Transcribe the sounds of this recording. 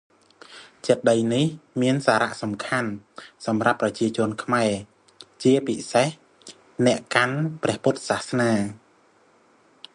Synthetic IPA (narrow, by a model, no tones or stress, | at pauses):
t͡ɕət̪̚ɗəjnihmiənsaːɾa̰ʔsɑmkʰansɑmrapːrɑt͡ɕiət͡ɕʊ̆ənkʰmaɛ | t͡ɕiəpiseh | nɛ̆əʔkanprɛ̆əhput̪̚sahsnaː